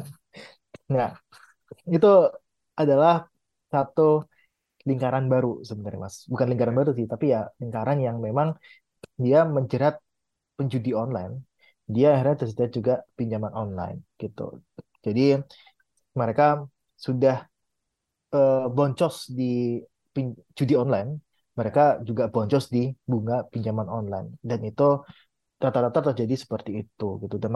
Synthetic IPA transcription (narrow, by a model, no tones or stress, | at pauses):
ŋa | it̪u | adalah | sat̪u | liŋkaɾanbaɾusəbənaɾa̰ma̰sbukanliŋkaɾanbaɾusɪht̪apijaliŋkaɾanjaŋmemaŋ | diaməɲd͡ʒəɾat̪̚ | pəɲd͡ʒudiɔnla̰jn | diaːhirɲat̪ərsətiat̪̚d͡ʒuɡapiɲd͡ʒamanɔnla̰ɪnɡ̥it̪ṵ | d͡ʒadi | məɾeka | sudah | əbɔɲt͡ʃɔsdi | pi | d͡ʒudiɔnlajn | məɾekad͡ʒuɡabɔɲt͡ʃɔsdibuŋapiɲd͡ʒamanɔnla̰jndanit̪u | t̪at̪aɾt̪at̪art̪ərd͡ʒadisə̥pərt̪iːt̪uɡit̪udan